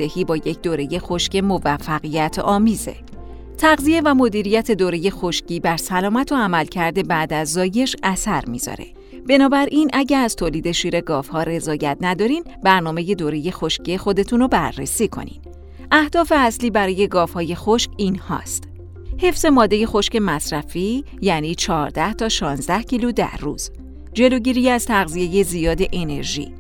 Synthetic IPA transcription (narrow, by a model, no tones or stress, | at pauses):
ehiːbɒːje̞cʰd̪oːɾe̞je̞xo̞ʃce̞mo̞væfːæɣijæt̪ʰɒːmiːze̞̰ | t̪ʰæɣzie̞væmo̞d̪iːɾijæt̪ʰe̞d̪oːɾe̞je̞xo̞ʃciːbæɾsælɒːmæt̪ʰo̞æmælcʰæɾd̪e̞bæd̪æzːɒːje̞ʃæsæɾmḭz̥ɒ̰ɾe̞̰ | b̥e̞nɒːbæɾʔiːnʔæɟæɾæz̥t̪ʰoːliːd̪e̞ʃiːɾe̞ɡɒːfhɒːɾe̞zɒːjæt̪ʰnæd̪ɒːɾin | bæɾnɒːme̞je̞d̪oːɾe̞je̞xo̞ʃcʰiexo̞d̪e̞t̪ʰunobæ̰rːḛsiːkʰo̞̰nḭd̪̥ | ʔæhd̪̥ɒːfe̞æsliːbæɾɒːje̞ɡɒːfhɒːje̞xoʃcinhɒ̰ːst̪ | he̞fz̥e̞mɒːd̪ːeje̞xo̞ʃce̞mæsɾæfi | jæːniːt͡ʃʰɒːɾd̪æht̪ʰɒːʃɒːnzd̪æhcʰiːlud̪æ̰ɾrṵz̥ | d͡ʒe̞loɟiːɾijæz̥t̪ʰæɣzije̞je̞zijɒːd̪e̞ʔene̞̰ɾʒḭː